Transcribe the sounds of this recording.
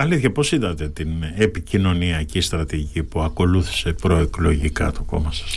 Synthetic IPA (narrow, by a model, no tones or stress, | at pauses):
ɐliθçɐpo̞siðɐt̪e̞t̪ine̞picino̞niɐcist̪ɾɐt̪iicipuɐko̞luθi̥se̞pɾo̞e̞klo̞ʝikɐ̰t̪o̞ko̞̰mɐsɐ̥s